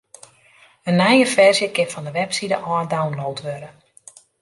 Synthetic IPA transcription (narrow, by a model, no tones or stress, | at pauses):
ənːɛjəfɛrzjəkɪfɔndəʋɛpsidə̰ʔɔdawnlowtʋøɾə